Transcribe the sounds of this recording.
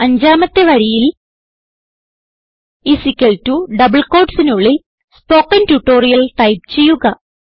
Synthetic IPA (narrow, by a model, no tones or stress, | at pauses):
ɐɲd͡ʑaːmɐt̪ːe̞ʋɐɾijil | isikʲːɐltuɖɐbɐɭko̞ːrɖsinuɭːil | spo̞ːkːɐntuʈːo̞ːrijɐlʈɐjp̚t͡ɕe̞jːuɣɐ